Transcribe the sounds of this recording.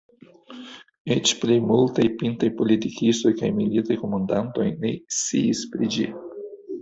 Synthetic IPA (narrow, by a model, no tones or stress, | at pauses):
et͡ʃplejmultajpintajpo̞litikisto̞jkajmilitajko̞mandanto̞jne̞̰ḭispɾid͡ʒi